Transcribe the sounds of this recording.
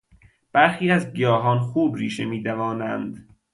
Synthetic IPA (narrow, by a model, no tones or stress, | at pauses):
b̥æɾxiːæzɡijɒːɦɒːnxuːbɾiːʃemiːd̪ævɒːnænd̪